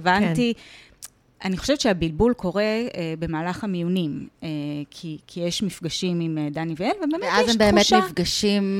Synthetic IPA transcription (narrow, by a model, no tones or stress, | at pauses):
vantti | aniχoʃevett͡ʃʃeabilbulko̞ʁe̞ebe̞maːlaχamijunimekʰikʰijeʃmifɡaʃimimedaniveenvebeːmeɛazjembeemmetʃmifɡaʃim